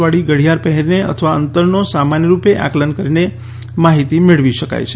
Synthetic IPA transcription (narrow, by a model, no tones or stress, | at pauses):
ʋaɽiɡəɽ̤jaɾpəɦɛɾneə̰t̪ʰəʋaənt̪əɾnosamanjəɾupeʔa̰klənkəɾine | maɦit̪imeɭʋiʃəka̰jt͡ʃʰe